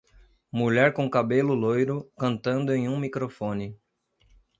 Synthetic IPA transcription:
muʎɛɾkõkabelʊlojɾʊkɐ̃nt̪ɐ̃nd̪ʊẽj̃ũmikɾofõnɪ

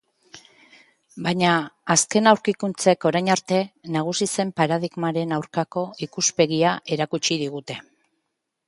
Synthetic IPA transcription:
baɲaːske̞nawɾkikunt͡se̞ko̞ɾajɲaɾt̪e̞naɣ̞usise̞mpaɾaðiɣmaɾe̞nawɾkako̞ikuspe̞ɣiae̞ɾakut͡ʃiðiɣ̞ut̪e̞

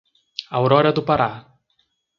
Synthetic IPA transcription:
awɾɔɾɐd̪ʊpaɾa

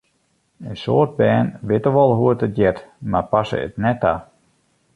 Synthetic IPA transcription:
əsoːrd̚bɛːnʋɪtəʋɔlˠɦuətət̚jɛtmarpasə̰ə̰tnɛta̰

